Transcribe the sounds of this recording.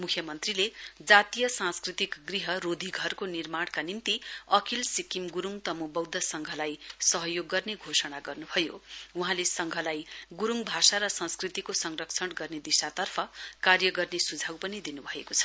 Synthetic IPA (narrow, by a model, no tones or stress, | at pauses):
mukʰjʌmʌnt̪riled͡zat̪ijʌsãnskrit̪ikɡriɦʌrod̪ʱiɡʱʌrkonirmaɽkanint̪iʌkʰilsikimɡuɾuŋt̪ʌmubʌwd̪ʱʌsʌŋɡʱʌlajsʌɦʌjoɡːʌrneɡʱosʌɽ̃aɡʌrnubʱʌjouɦãlesʌŋɡʱʌlajɡuɾuŋbʱasaɾʌsʌ̃nskrit̪ikosʌŋrʌkt͡sʰʌɽɡʌrned̪isat̪ʌrpʰʌkarjʌɡʌrnesud͡zʱawpʌnid̪inubʱʌekot͡sʰʌ̥